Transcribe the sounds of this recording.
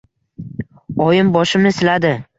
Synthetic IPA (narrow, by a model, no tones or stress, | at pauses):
ɒjɪmbɒʃɪmnɪsɪlad̪ɪ